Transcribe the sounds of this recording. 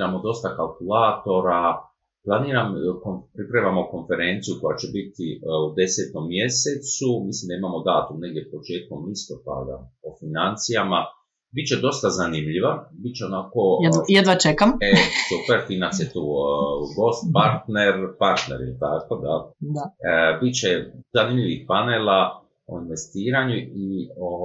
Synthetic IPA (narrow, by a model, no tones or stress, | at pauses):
ɾamo̞d̪o̞st̪akalkulaːt̪o̞ɾa | plˠaniːɾamkonpɾipɾeʋamo̞ko̞nfeɾe̞ːnt̪sijuko̞jat͡ʃebit̪iud̪e̞set̪o̞mːje̞set̪sumislimd̪aimamo̞d̪aːt̪umne̞ɡ̚d̪ʲjepo̞t͡ʃeːt̪̚komlist̪o̞pa̰d̪a̰ofinant̪sijama | bit̪t͡ʃed̪o̞st̪azanimʎiʋabit̪̚t͡ʃeo̞nako̞jed̪ʋat͡ʃekamesupeɾfinansijet̪uːɡo̞st̪̚paɾt̪neɾpaɾt̪nḛɾjelʲt̪ako̞d̪ad̪abit̪t͡ʃezanimʎʲiʋixpaneːla | o̰inʋe̞st̪iːɾaɲuio